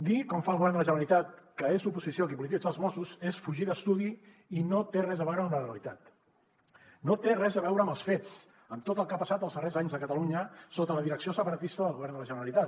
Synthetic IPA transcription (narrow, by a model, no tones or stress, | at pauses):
d̪ikɔɱfaəlˠɣuβɛrnələʒənəɾəlit̪at̪̚kəezupuzisijokipulit̪id͡zəlˠzmɔsuzesfuʒiðəst̪uði | inot̪erɛzəβɛwɾəmləreəlit̪at̪ | not̪erɛzðəβɛwɾəməlˠsfet͡s | əmt̪ot̪əlˠkapəsat̪əlˠzðərezaɲzðəkət̪əluɲəsot̪ələðiɾəksiosəpəɾət̪ist̪əðəlˠɣuβɛɾrnd̪ələʒənəɾəlit̪at̪